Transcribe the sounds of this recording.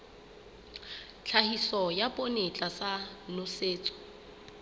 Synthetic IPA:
t͡ɬʰahisɔjapʼonet͡ɬʼasanʊseːt͡sʼɔ̥

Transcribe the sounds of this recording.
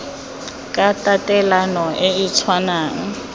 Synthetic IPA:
kʼatʼatʼɛlanɔʔɪit͡sʰwanaːŋ̩

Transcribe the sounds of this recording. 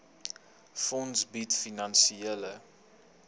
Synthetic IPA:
fɔ̃nsbitfinɑnsielə

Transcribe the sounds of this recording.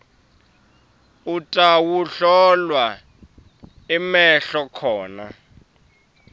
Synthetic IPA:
utʼawuɬɔlwa | imɛɬɔkʰɔːna̰

